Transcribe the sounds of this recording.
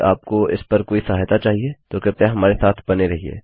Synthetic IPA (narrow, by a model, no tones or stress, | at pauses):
a̰ːp̚koɪ̰spɐɾkoːisɐɦaːɦjt̪at͡ʃaːɦied͡ʒ̪oːkɪpaɦɐmaːɾesaːt̪ʰbɐneɾɐɦiḛː